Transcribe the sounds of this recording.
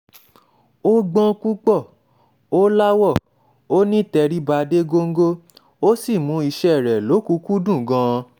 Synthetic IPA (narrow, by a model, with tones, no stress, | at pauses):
o˦ɡ͡bɔ̃˦ku˦k͡pɔ˦˨ | o˦la˦wɔ˦˨ | o˦nĩ˦˨tɛ˧ɾi˦ba˧de˦ɡo˧ŋ̩˦ɡo˦ | o˦si˦˨mũ˧˦i˧ʃɛ˦˨ɾɛ˨lo˨˦ku˧˦ku˦dũ˦˨ɡã˧˦˧